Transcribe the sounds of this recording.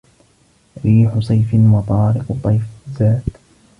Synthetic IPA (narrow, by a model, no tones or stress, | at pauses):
ɾiːħʊsˤɑjfɪwɑt̪ˤɑːɾɪqt̪ˤːɑjfzaːt̪